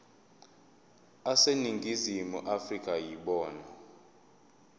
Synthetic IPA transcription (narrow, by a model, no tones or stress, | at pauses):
aseniŋɡʱizimṵʔafrikʼajiɓɔːna